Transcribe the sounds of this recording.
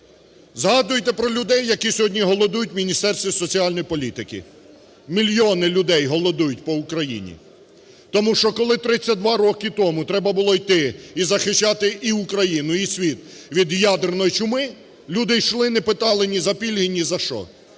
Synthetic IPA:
zɦɑd̪ʊjt̪ɛpɾɔlʲʊd̪ɛjːɐkisʲɔɦɔdʲnʲiɦɔlˠɔd̪ujʊtʲmʲinʲist̪ɛrst̪ʋʲisɔt͡sʲiɑlʲnɔjipɔlʲit̪ɪkɪ̰ | mʲilʲjɔnɪlʲʊd̪ɛjɦɔlˠɔd̪ujʊtʲpɔʊkɾɐjḭnʲḭ | t̪ɔmuʃt͡ʃɔkɔlˠɪt̪ɾɪt͡sʲːɐd̪ʋɑɾɔkɪt̪ɔmʊt̪ɾɛbɐbʊlˠɔjt̪ɪizɐxɪʃt͡ʃːɑt̪ɪiukɾɐjinʊisʲʋʲit̪ | ʋʲid̪jad̪ernɔjit͡ʃʊmɪ | lʲud̪ɪʃlˠɪnepɪt̪ɑlˠɪnʲizɐpʲilʲɦinʲizɐʃt͡ʃɔ̰

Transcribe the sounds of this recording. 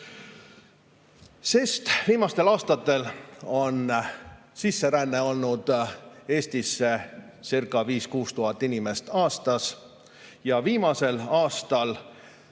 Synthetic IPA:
sest̪v̥iːmɑst̪e̞lɑːst̪ɑt̪ːˑe̞lo̞n | sisːe̞ɾænːe̞o̞lnud̪̥e̞ːst̪isːe̞ | sirkːˑɑviːskuːst̪uɦɑt̪ːˑinʲime̞st̪ɑːst̪ɑs | jɑviːmɑse̞lɑːst̪ɑl

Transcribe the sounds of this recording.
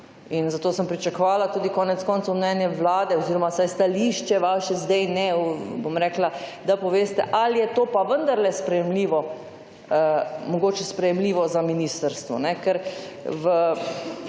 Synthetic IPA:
inzat̪oːsəmpɾit͡ʃakɔʋaːlat̪uːd̪ikɔːnɛt̪skɔːnt̪sowmnɛnjɛʋlaːd̪ɛɔziːɾɔmasajst̪aliːʃt͡ʃɛʋaːʃɛzd̪ɛjnɛbomɾɛːklad̪apɔʋeːst̪ɛʔalijɛt̪oːpaʋənd̪aɾlɛspɾɛjɛmliːʋɔ | mɔɡoːt͡ʃɛspɾɛjɛmliːʋɔzaminiːst̪əɾst̪ʋɔ̰nɛkɛɾʋə

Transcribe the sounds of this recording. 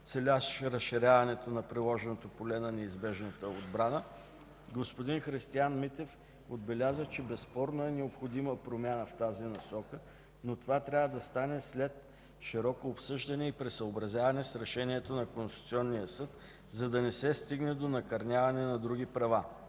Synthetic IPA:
t̪sɛlʲaʃʃɾɐsʃiɾʲavɐnɛt̪onɐpɾilˠɔʒɛnot̪opolɛnɐnɛizbɛʒnət̪əod̪bɾanə | ɡospod̪inxɾist̪ianmit̪ɛf | od̪̚bɛlʲazət͡ʃɛbɛspɔɾnoɛnɛopxod̪iməpɾomʲjanəft̪azinɐsɔkə | not̪ovat̪ɾʲavəd̪ɐst̪anɛslɛt̪ | ʃiɾɔkoːpsɤʒd̪ɐnɛipɾɛsəobɾɐzʲjavɐnɛsɾɛʃɛniɛt̪onɐkonst̪i̥t̪siɔnːijəsɤt̪ | zɐd̪ɐnɛsɛst̪iɡnɛd̪onɐkɐɾnʲjavɐnɛnɐd̪ɾuɡipɾɐva

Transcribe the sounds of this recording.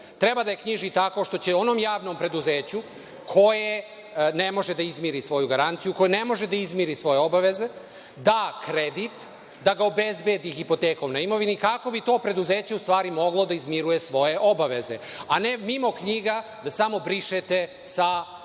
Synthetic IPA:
t̪ɾebad̪aje̞kɲiʒit̪ako̞ʃt̪o̞t͡ɕeo̞no̞ːmjaːʋno̞ːmpɾe̞d̪uzeːt͡ɕu | kʰo̞je | ne̞mo̞ʒed̪aizmiɾisʋo̞juɡaɾant̪sijuko̞june̞mo̞ʒed̪aizmiɾisʋo̞je̞o̞baʋe̞ze | d̪akɾed̪it̪ | d̪aɡaobezbed̪ixipo̞t̪eːko̞mnaimo̞ʋinikako̞bit̪o̞ːpɾe̞d̪uzeːt͡ɕe̞ust̪ʋaːɾimo̞ɡlˠo̞d̪aizmiɾuje̞sʋo̞je̞ʔo̞baʋe̞ze̞ane̞mimo̞kɲiɡa | d̪asamo̞bɾiʃet̪e | sa

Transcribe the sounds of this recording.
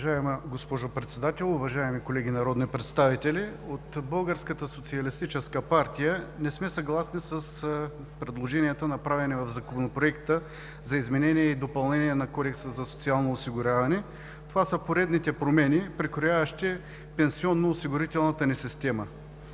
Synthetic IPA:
ʒaɛmɡospɔʒʊpɾɛt̪sɛd̪at̪ɛlˠʊvɐʒaɛmikolɛɡ̟inɐɾɔd̪nipɾɛt̪st̪avit̪ɛliot̪bəlˠɡəɾskət̪əsot̪siɐlist̪it͡ʃɛskəpaɾt̪ʲijənɛsmɛsɐɡlˠasnisəs | pɾɛd̪lˠoʒɛniət̪ənɐpɾavɛnɛvɐvzɐkomnopɾoɛkt̪ə | zɐizmɛnɛnʲiɛid̪opɐlˠnɛniɛnɐkɔd̪ɛksəzɐso̥t̪sialˠnoːsiɡʊɾʲavɐnɛ | t̪ovasəpoɾɛd̪nit̪ɛpɾomɛnipɾikɾojavɐʃt̪i | pɛnsiɔnːoːsiɡʊɾit̪ɛlˠnɐt̪ənɛsist̪ɛmə

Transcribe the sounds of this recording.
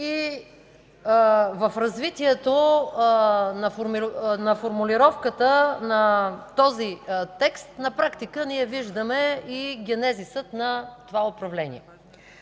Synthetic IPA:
i | vɐfɾɐzvit̪iɛt̪o | nɐfoɾmnɐfoɾmʊliɾɔfkət̪ənɐt̪ɔzit̪ɛkst̪nɐpɾakt̪ikəniɛviʒd̪əmɛiɡʲɛnɛzisət̪nɐt̪ovaʊpɾɐvlɛnḭɛ

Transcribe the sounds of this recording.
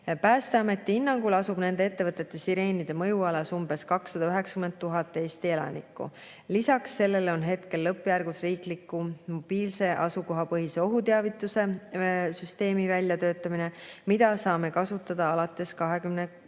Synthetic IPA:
pæːst̪eɑme̞t̪ˑːiinːɑŋɡ̥ulɑsubne̞nd̪e̞e̞t̪ːe̞vɤt̪ːˑe̞t̪ːˑe̞siɾe̞ːnid̪̥e̞mɤjuɑlɑsumbe̞skɑksːɑd̪̥ɑyɦe̞kskyme̞nd̪̚t̪ːuɦɑt̪ːˑe̞ːst̪ie̞lɑ̰nḭkːˑṵ | lisɑksːe̞lːe̞lo̞nɦe̞t̪ke̞lːɤpːˑjærɡ̥usriːklikːˑumo̞b̥iːlse̞ʔɑsuko̞ɦɑpɤɦise̞o̞ɦut̪eɑvit̪ːˑuse̞syst̪e̞ːmivælʲːjɑt̪øːt̪ːˑɑmine̞mid̪̥ɑsɑːme̞kɑsut̪ːˑɑd̪̥ɑɑlɑt̪ːˑe̞skɑɦe̞kymne

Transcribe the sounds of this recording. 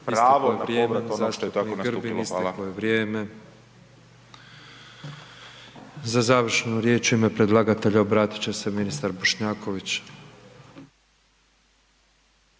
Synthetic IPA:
piɾaʋoojeɾjeːezaːst̪out̪annɡr̩biinlisekojeʋɾjeːme̞ | zazaːʋr̩ʃenuɾje̞ːt͡ʃime̞pɾe̞d̪lˠaɡat̪e̞ʎaobɾaːt̪i̥t͡ɕese̞minist̪aɾboʃɲaːko̞ʋit͡ɕ

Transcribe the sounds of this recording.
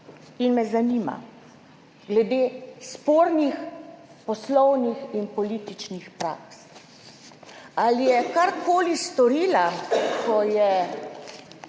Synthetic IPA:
inmɛzanima̰ | ɡlɛd̪eːspoːɾnix | pɔslɔwnixinpɔlit̪it͡ʃnixpɾa̰ks | alijɛkaɾkoːlist̪ɔɾiːlakɔjɛ

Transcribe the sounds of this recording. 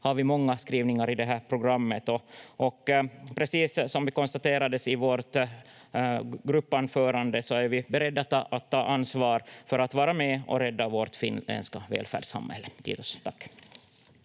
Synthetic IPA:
haɾvɪmɔŋːaskɾiːvnɪŋaɾɪd̪ɛɦæːɾpʰɾʊɡɾamːət̪ɔʔɔkpʰɾɛsiːsːɔmvɪkɔnst̪at̪eːɾad̪əsɪvoɾt̪ | ɡɾɵpːanfœːɾand̪əsɔæɾvɪbɛɾɛd̪ːat̪ːɑ̰ʔat̪ʰːɑːʔansvɑːɾfœɾat̪vɑːɾamɛɔ̰ɾɛd̪ːavoːɾt̪fɪ̰nɛ̰nskavḛːlfæ̰ːɖsa̰mhɛ̰lːət̪ʰḭːt̪ɔst̪ʰakː

